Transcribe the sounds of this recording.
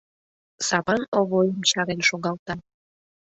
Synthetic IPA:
sɑβɑnoβojəmt͡ɕɑɾelʲʃoɣɑlˠt̪ɑ

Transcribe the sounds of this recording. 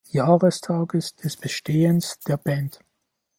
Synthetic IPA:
jaːʁəstʰaːɡəsd̥ɛsb̥əʃteːənsd̥eːɐb̥ɛnt

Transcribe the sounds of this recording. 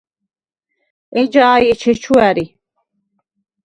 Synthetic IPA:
ɛd͡ʒaːjɛt͡ʃʰɛt͡ʃʰuæɾi

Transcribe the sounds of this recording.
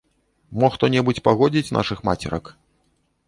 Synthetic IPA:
mɔxt̪ɔnʲɛbut͡sʲpaɣɔd͡zʲit͡sʲnʔa̰ʂɨxmat͡sʲɛ̰ɾɐ̰k

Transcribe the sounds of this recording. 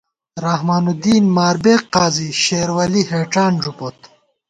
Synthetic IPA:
ɾahmaːnud̪iːnmaːɾbeːqːaːziɕeːɾwɐliheːʈaːnd͡ʑupot̪

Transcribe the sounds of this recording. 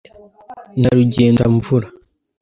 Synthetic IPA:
naɾuɟe̞ːndaɱvuɾa

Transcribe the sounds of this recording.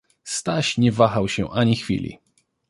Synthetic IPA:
st̪aɕɲɛvaxawɕɛ̰ʔaɲixfʲḭlʲḭ

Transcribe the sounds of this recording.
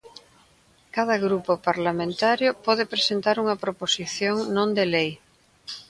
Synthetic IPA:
kaðɐɣɾupopaɾlamẽnt̪aɾjʊpɔðepɾesent̪aɾuŋɐpɾoposiθjoŋnõnd̪elej

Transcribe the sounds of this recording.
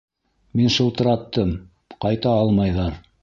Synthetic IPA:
minʃɤ̆lˠt̪ɤ̆ɾɑt̪ːɤm | qɑjt̪ɑɑlˠmɑjðɑɾ

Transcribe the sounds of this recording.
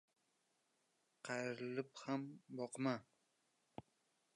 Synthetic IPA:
qʰɑjɾɪlɪphambɒqma

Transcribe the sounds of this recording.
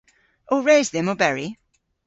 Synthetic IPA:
oɹeɪzðɨ̃məbɛɹi

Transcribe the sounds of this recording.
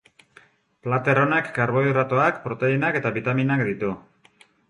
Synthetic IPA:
plat̪e̞ro̞nakːaɾβo̞irat̪oakpɾo̞t̪e̞inake̞t̪aβit̪aminakd̪it̪u

